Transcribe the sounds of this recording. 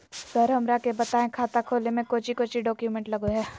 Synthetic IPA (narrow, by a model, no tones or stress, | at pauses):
səɾɦɐmɾakebɐt̪aːẽkʰaːt̪akʰoːlemẽkoːt͡ʃikoːt͡ʃiɖɔːkjumɛ̃ɳʈlɐɡoɦɛː